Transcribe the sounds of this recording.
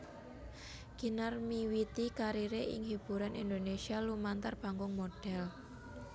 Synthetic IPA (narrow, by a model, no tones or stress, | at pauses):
ɡ̥i̤narmiwit̪ikaɾiɾeʔɪ̰ŋɦib̥uɾanʔind̪onesialumant̪arb̥a̤ŋɡʊŋmoɖ̥ɛl